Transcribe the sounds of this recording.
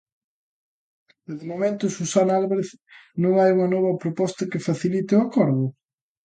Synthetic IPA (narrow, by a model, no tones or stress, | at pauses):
deðɪmomẽnt̪ʊsusanalβaɾeθnõŋajuŋɐnɔβɐpɾopɔst̪ɐkɪfaθilit̪ɪʊakɔɾðʊ